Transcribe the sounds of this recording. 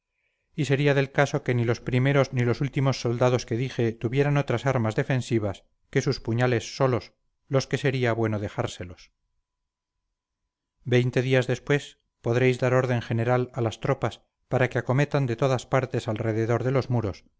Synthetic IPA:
ise̞ɾiaðe̞lkaso̞kenilo̞spɾime̞ɾo̞znilo̞sult̪imo̞sːo̞ld̪að̞oske̞ðixe̞t̪uβje̞ɾano̞t̪ɾasaɾmazðe̞fẽ̞nsiβ̞as | ke̞suspuɲale̞sːo̞lo̞s | lo̞ske̞se̞ɾiaβwe̞no̞ðe̞xaɾse̞lo̞s | be̞jnt̪e̞ðiazðe̞spwe̞s | po̞ðɾe̞jzðaɾo̞ɾðe̞ŋχe̞ne̞ɾalalast̪ɾo̞pas | paɾakeako̞met̪and̪e̞t̪o̞ðaspaɾt̪e̞salre̞ðeðo̞ɾðe̞lo̞zmuɾo̞s

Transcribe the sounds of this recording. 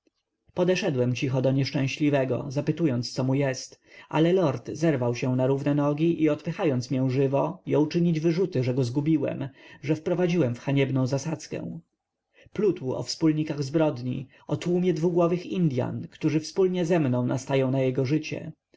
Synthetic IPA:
pɔd̪ɛʂɛd̪wɛmt͡ɕixɔd̪ɔɲɛʂt͡ʂɛ̃w̃ɕlʲivɛɡɔ̰zapɘt̪ujɔnt̪st̪sɔmujɛst̪ | ʔa̰lɛlɔɾt̪zɛɾvawɕɛ̃naɾuvnɛnɔɡʲiʔiɔt̪pɘxajɔnt̪smjɛw̃ʐɘvɔjɔ̃wt͡ʂɘɲid͡ʑvɘʐut̪ɘʐɛɡɔzɡubʲiwɛ̰mʐɛfpɾɔvad͡ʑiwɛmfxaɲɛbnɔ̃w̃zasat̪skɛ̰w̃ | plut̪wuɔ̰fspulɲikaɣzbɾɔd̪ɲḭ | ɔt̪wumʲjɛd̪vuɡwɔvɘxind̪ʲja̰nkt̪uʐɘfspulɲɛzɛmnɔ̃w̃nast̪ajɔ̃w̃najɛɡɔʐɘt͡ɕɛ̰

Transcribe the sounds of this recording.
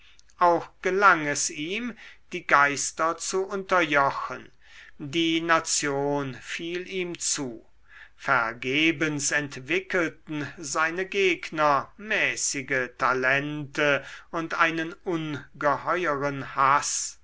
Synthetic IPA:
ʔaʊxɡ̥əlaŋɛsiːmd̥iːɡaɪstɐt͡suʔʊntɐjɔxən | diːnat͡sjoːnfiːliːmt͡suː | fɛɐɡeːbənsɛntv̥ɪkəltn̩zaɪnəɡeːknɐmɛːsɪɡətʰalɛntəʊntʔaɪnənʊnɡəhɔʏəʁənhas

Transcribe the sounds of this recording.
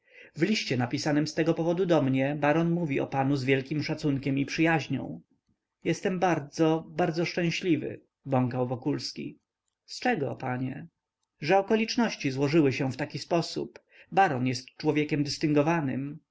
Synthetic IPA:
vlʲiɕt͡ɕɛnapʲisanɘmst̪ɛɡɔpɔvɔd̪ud̪ɔmɲɛbaɾɔnmuvʲiɔ̰panuzvʲjɛlkʲimʂat̪suŋkʲɛmipʂɘjaʑɲɔ̰̃w̃ | jɛst̪ɛmbaɾd̪zɔbaɾd̪zɔʂt͡ʂɛ̃w̃ɕlʲivɘ̰ | bɔŋkawvɔkulskʲḭ | st͡ʂɛɡɔ̰paɲɛ̰ | ʐɛɔkɔlʲit͡ʂnɔɕt͡ɕizwɔʐɘwɘɕɛft̪akʲispɔsṵp | baɾɔnjɛst̪̚t͡ʂwɔvʲjɛkʲɛmd̪ɘst̪ɘŋɡɔvanɘ̰m

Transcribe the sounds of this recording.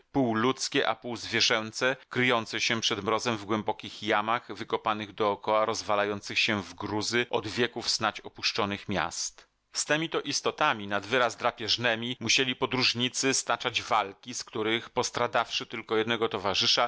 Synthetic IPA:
puwlut̪skʲɛʔa̰puwzvʲjɛʐɛnt̪sɛkɾɘjɔnt̪sɛɕɛpʂɛd̪mɾɔzɛmvɡwɛmbɔkʲixjamaɣvɘkɔpanɘɣd̪ɔːkɔwaɾɔzvalajɔnt̪sɘxɕɛvɡɾuzɘʔɔd̪vʲjɛkufsnat͡ɕɔpuʂt͡ʂɔnɘxmʲja̰st̪ | st̪ɛmʲit̪ɔʔist̪ɔt̪amʲinad̪vɘɾazd̪ɾapʲjɛʐnɛmʲimuɕelʲipɔd̪ɾuʐɲit̪sɘst̪at͡ʂad͡ʑvalkʲiskt̪uɾɘxpɔst̪ɾad̪afʂɘt̪ɘlkɔjɛd̪nɛɡɔt̪ɔvaʐɘʂa

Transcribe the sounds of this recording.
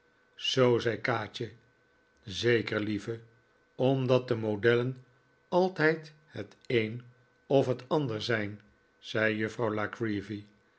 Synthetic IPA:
z̥owzɛjkaːt͡ʃə | zejkəɹlivə | ɔmdɑt̚dəmodɛlən | ɑlˠtɛjt | hət | ejn | ɔfɦətɑndəɹzɛjn | z̥ɛjjɵfrɑwlakɹivi

